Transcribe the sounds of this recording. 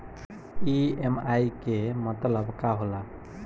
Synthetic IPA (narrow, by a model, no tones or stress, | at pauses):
iemajkemət̪ləbkaɦola